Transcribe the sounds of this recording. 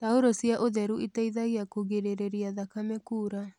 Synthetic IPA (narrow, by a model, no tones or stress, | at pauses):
taoɾosiaʔoðɛɾuʔitaiðaɣiakuɣeɾeɾeɾiaðakamɛkuːɾa